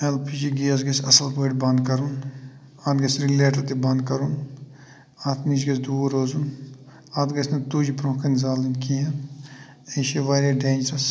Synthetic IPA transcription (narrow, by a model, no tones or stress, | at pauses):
elpʰiːd͡ʒiɡiɐs̬ɡɐsʲɐsɐlpəːʈʲbɐ̃nd̪kɐɾun | aːd̪ɡɐsɾiɡlʲeːʈɐt̪ibɐ̃nd̪̚kɐɾun | aːt̪ʰmizɡɐsd̪uːɾoːzun | aːd̪ɡɐsʰnɐt̪uːd͡ʒipɾõːkɐnzaːlinkiɦɐn | eːʃeʋaːɾʲɐɖeːnd͡ʒɾɐs